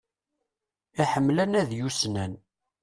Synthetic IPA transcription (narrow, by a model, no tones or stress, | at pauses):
iħəmːlænæðjusnæn